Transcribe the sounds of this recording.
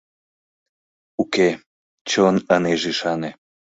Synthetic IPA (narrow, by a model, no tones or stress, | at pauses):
uke | t͡ɕonəneʒiʃɑne